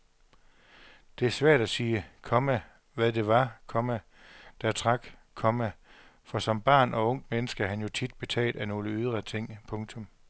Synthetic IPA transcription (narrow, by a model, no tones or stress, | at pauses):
d̥e̝æɐsʋæɐ̰d̥æsiːkʰɒ̽mæ | ʋæðˠd̥e̝ʋɑ̈kʰɒ̽mæ | d̥æt͡sʰʁɑ̈ɡ̥kʰɒ̽mæfɒ̽sɒ̽mb̥ɑ̰̈ːnɒ̽ɔ̽ŋ̰d̥menəsɡ̥əɦænjo̝t͡sʰid̥̚b̥e̝t͡sʰɛ̰ːld̥æno̝ːləyð̞ˠʁɐt͡sʰe̝ŋ̰pʰɔ̽ŋt͡sʰɔ̽m